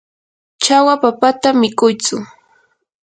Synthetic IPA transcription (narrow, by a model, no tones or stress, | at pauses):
t͡ʃawapapat̪amɪkʊjt͡sʊ